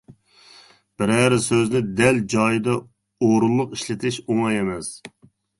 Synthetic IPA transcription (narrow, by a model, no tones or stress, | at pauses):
b̥ɪɾɛɾɪsøznɪd̪ɛld͡ʒɑːjɨd̪ɑ | oɾulˠlˠʊqiʃlɪt̪ʰɪʃumɑjemɛs